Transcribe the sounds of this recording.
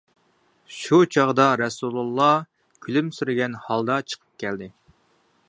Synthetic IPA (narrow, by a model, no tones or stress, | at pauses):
ʃut͡ʃʰɑʁd̪ɑɾɛsulˠulˠːɑ | kʲʰylymsyɾɪɡʲɛnhɑlˠd̪ɑt͡ʃʰə̥qʰə̥p̚kʲʰɛld̪ɪ